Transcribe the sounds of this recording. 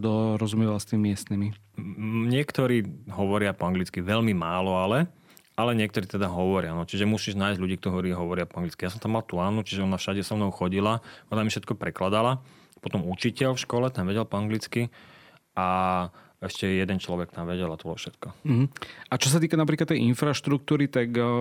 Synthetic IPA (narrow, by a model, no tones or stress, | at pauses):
d̪ɔɾɔzumiʋalst̪imimɪɛst̪nimi | ɲɪɛkt̪ɔɾiːɦɔʋɔɾɪapɔaŋɡlit͡skiʋɛʎmimaːlɔalɛ | alɛɲɪɛk̚t̪ɔɾiːt̪ɛd̪aɦɔʋɔɾɪanɔt͡ʃiʒɛmusiːʒnaːjzɟʎuɟiːkt̪ɔɦɔɾiːɦɔʋɔɾɪapɔaŋɡlit͡skijaːs̬ɔ̃mt̪amːalt̪uaːnut͡ʃiʒɛɔnafʃaɟɛsɔmnɔʊxɔɟilaɔnamifʃɛt̪̚kɔpɾɛklad̪ala | pɔt̪ɔmut͡ʃicɛlfʃkɔlɛt̪anʋɛɟɛlpɔaŋɡlit͡ski | a | ɛʃcɛjɛd̪ɛnt͡ʃlɔʋɛk̚t̪amʋɛɟɛlat̪ɔt̪ɔfʃɛt̪kɔɦ̩at͡ʃɔs̬at̪iːkadnap̬ɾikat̪ːɛjʔinfɾaʃt̪ɾuk̚t̪uːɾit̪ak